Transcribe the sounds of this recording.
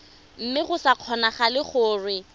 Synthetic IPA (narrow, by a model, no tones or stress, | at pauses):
m̩mɪχʊsaq͡χʰɔnaχalɪχʊːrwɪ